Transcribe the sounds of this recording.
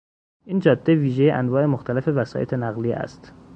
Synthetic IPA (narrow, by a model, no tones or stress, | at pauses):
ʔiːnd͡ʒɒːd̪̥ːeviːʒejeʔænvɒːʔe̞moxt̪ʰælæfe̞væsɒ̰ːjet̪ʰenæɣliːæ̰st̪